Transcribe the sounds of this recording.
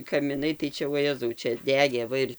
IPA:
kɐmʲɪˈnɐɪ tɐɪ ˈt͡ʃʲɛ ʋoːˈjæːzɐʊ ˈt͡ʃʲɛ ˈdʲæːɡʲeː ˈʋɐ ɪr

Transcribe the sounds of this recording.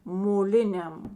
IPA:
moːˈlʲɪnʲɛm

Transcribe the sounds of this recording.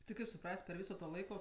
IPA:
tʲɪ ˈkɐɪp sʊˈprɐsʲtʲ pʲɛr ˈʋʲiːsoː toː ˈlˠɐɪkoː

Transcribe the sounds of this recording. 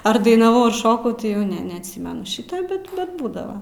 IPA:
ɐr dɐɪnɐˈʋɐʊ ɐr ˈʃoːkɐʊ tʲɪ jɛʊ ˈnʲɛ nʲɛɐtʲˈsʲiːmʲɛnʊ ˈʃʲiːtɐ ˈbʲɛt bʲɛt ˈbuːdɐʋɐ

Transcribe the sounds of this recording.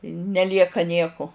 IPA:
nʲɛˈlʲiɛkɐ ˈnʲiɛkʊ

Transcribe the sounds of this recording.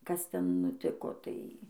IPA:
kɐs ˈtʲɛn nʊˈtʲɪkoː ˈtɐɪ

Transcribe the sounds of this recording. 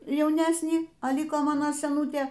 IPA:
jɛʊˈnʲæːsʲnʲiː ɐ ˈlʲiːkoː ˈmɑːnoː sʲɛˈnuːtʲeː

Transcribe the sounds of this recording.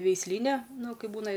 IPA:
ʋʲɛɪsʲˈlʲiːnʲɛ ˈnʊ ˈkɐɪp ˈbuːnɐ

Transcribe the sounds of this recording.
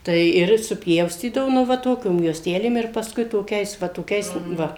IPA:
tɐɪ ˈɪr sʊpʲˈjɛʊsʲtʲiːdɐʋoː nʊ ˈʋɐ ˈtoːkʲoːm juɔsʲˈtʲæːlʲeːm ɪr pɐsˈkʊɪ toːˈkʲɛɪs ʋɐ toːˈkʲɛɪs ˈʋɐ

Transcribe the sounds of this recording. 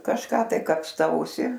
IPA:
kɐʃˈkɑː tɐɪ kɐpsˈtɐʊsʲɪ

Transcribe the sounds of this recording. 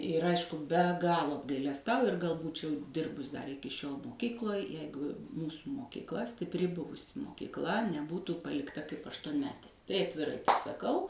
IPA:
ɪr ˈɐɪʃkʊ bʲɛ ˈɡɑːlˠoː ɐbɡɐɪlʲɛsˈtɐʊjʊ ɪr ɡɐlˠ ˈbuːt͡ʃʲɛʊ ˈdʲɪrbʊs dɐr ˈɪkʲɪ ʃʲoːlˠ moːˈkʲiːklˠoːj ˈjɛɪɡʊ ˈmuːsʊ moːkʲiːkˈlˠɐ sʲtʲɪpʲˈrʲɪ ˈbʊʋʊsʲɪ moːkʲiːkˈlˠɐ nʲɛˈbuːtuː pɐlʲɪkˈtɐ kɐɪp ɐʃtuɔnʲˈmʲæːtʲeː ˈtɐɪ ɐtʲʋʲɪˈrɐɪ sɐˈkɐʊ

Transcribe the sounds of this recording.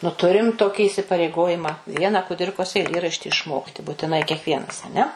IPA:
nʊ ˈtʊrʲɪm ˈtoːkʲɪ ɪsʲɪpɐrʲɛɪˈɡoːjɪmɐ ˈʋʲiɛnɐ kʊˈdʲɪrkoːs ɛɪˈlʲeːrɐʃʲtʲɪ ɪʃˈmoːktʲɪ buːtʲɪˈnɐɪ kʲɛkˈʋʲiɛnɐs ɐˈnʲɛ

